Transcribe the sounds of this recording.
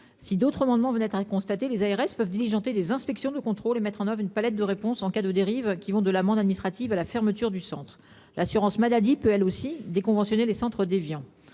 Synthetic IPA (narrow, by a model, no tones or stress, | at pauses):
sid̪ot̪χəmɑ̃d̪mɑ̃vənɛt̪χakɔ̃st̪at̪elezaeʁɛspœvd̪iliʒɑ̃t̪ed̪ezɛ̃spɛksjɔ̃d̪əkɔ̃t̪χolemɛt̪χɑ̃nœvʁynpalɛt̪̚d̪əʁepɔ̃sɑ̃kad̪əd̪eʁivkʲivɔ̃d̪əlamɑ̃d̪ad̪minist̪χat̪ivalafɛʁmət̪yʁd̪ysɑ̰̃t̪χ | lʔasyʁɑ̃smalad̪ipøɛlosid̪ekɔ̃vɑ̃sjɔnelesɑ̃t̪χəd̪evjɑ̃